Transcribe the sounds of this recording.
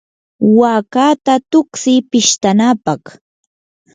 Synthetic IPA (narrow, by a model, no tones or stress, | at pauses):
waːkaːt̪at̪ʊksɪpɪʃt̪anapɑχ